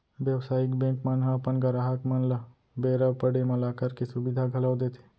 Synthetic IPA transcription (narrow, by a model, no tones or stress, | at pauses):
bjəwsaːɪkbẽːŋkmanɦãpənɡɐɾaːɦəkmɐnlə | beːɾəbpəɽemɐlaːkəɾkesʊbɪd̪ʱaɡʱɐlawd̪et̪ʰe̥